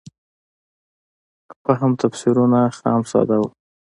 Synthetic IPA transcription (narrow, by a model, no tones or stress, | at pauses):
xaɦamt̪afsiɾunaxɑ̰msɑ̰d̪aw